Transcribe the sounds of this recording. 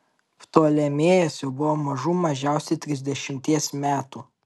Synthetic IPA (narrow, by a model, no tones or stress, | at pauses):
ft̪oːlʲɛmʲeːjɛsʲobʊʋomɐʒuːmɐʒʲæˑʊsʲɛt̪ʲɾʲɪzʲd̪ʲɛʃʲɪmʲt̪ʲiɛsmʲæːt̪u